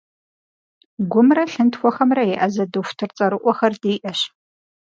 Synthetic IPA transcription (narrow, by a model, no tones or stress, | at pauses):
ɡʷʊmrɐɬɨntxʷɔxɐmrɐjɛʔɐzɐdɨfʷtʰɨrt͡sʼɐɾɨʔʷɔxɐrdeːʔɐɕ